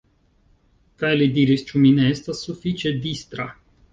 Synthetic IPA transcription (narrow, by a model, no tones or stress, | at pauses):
kajlid̪iɾist͡ʃumineest̪asufit͡ʃed̪ist̪ɾa